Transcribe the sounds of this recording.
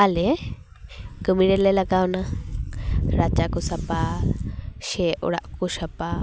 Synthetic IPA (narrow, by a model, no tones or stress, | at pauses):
ale | kɨmiɾelelakauna | ɾat͡ʃakusapa | ʃeʔṵɽa̰ʔkuʃapa